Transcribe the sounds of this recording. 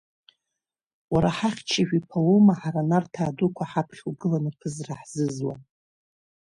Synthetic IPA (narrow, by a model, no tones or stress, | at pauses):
waɾaħaχʲt͡ʃʰaʒᶣipʰalomaħaɾanartʰaːdukʷʰaħapʰχʲwɡɨlanɨpʰɨzraħz̥ɨzwa̰n